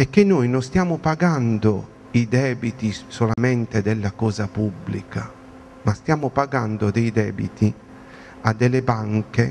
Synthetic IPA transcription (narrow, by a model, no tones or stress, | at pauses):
ɛkːenːojnost̪jaːmopaɡand̪o | id̪ɛːbit̪isolamɛnt̪ed̪ɛlːakɔːzapubːlikʰa | mast̪jaːmopaɡand̪od̪ejd̪ɛːbḭt̪ʰi | ad̪ːelːebaŋke